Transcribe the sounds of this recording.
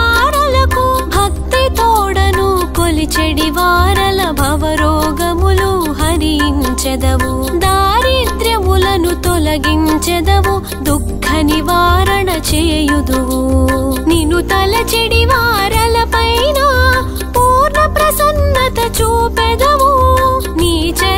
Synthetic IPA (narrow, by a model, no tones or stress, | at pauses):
aːɾɐlɐkubʱɐk̚t̪it̪ɔːɽɐnukolit͡ʃeɽiʋaːɾɐlɐbʱɐʋɐɾoːɡɐmuluɦɐɾijiɲt͡ʃed̪ɐʋu | d̪aːɾiːd̪ɾjɐmulɐnut̪ɔlɐɡiɲt͡ʃed̪ɐʋu | d̪ukʰːɐniʋaːɾɐɳɐt͡ʃeːjud̪u | ninut̪ɐlɐt͡ʃeɽiʋaːɾɐlɐpɐjnɐ | puːɾɳɐpɾɐsɐnːɐt̪ɐt͡ʃuːped̪ɐʋu | niːt͡ʃe